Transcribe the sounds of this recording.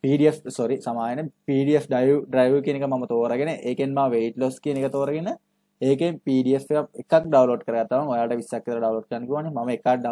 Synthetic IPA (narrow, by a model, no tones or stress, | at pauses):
piːɖiefsoɾisamaːjenepiːɖiefɖajuɖrajʋukienekəmamət̪oːɾaɡeneʔeːkenmaːʋeiʈloːskijənekət̪oːɾaɡenə | eːkempiːɖiefekapekakɖawloːɖkəɾəɡat̪ːaʋaŋojaːʈəʋisːakːet̪əɾəɖawloːɖ̚kəɾanːəkiuʋanːemaməekaɖa